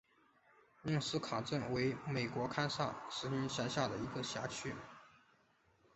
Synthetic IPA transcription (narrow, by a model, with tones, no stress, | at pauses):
mi˥˩ŋsɹ̩˥kʰɑ˨˩ʈ͡ʂə˥˩nwe˧˥ɪme˨˩ɪkwɔ˧˥kʰa˥nsa˥˩ʂɻ̩˧˥i˥nɕja˧˥nɕja˥˩d̪ə˩i˧˥ɡə˧ɕja̰˧˥t͡ɕʰy˥